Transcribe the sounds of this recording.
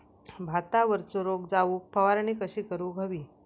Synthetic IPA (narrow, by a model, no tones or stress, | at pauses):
bʱat̪aʋəɾt͡soɾoɡd͡zaupʰəʋaɾɳiːkəɕiːkəɾuːɡʱəʋiː